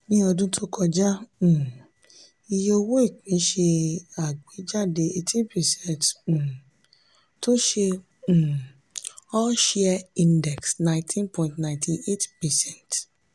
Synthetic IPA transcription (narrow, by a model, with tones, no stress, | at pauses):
nĩ˦ɔ˧dũ˦tʰo˦kʰɔ˧d͡ʒã˦˨ | i˧jo˧wo˦i˦˨kĩ˨˦ʃe˧a˨ɡ͡be˨˦d͡ʒa˦˨de˧e˧tʰĩ˦pɛ˨sɛ̃˦˨nt̩˨ | to˦ʃẽ˧˨ | ɔ˦ʃɛ˦a˧ĩ˧ndɛ˨ksnã˧ɪ̃tʰĩ˦npʰɔ̃˨ĩntnã˨ɪ̃tʰi˧e˦tpɛ˨sɛ̃˦˨nt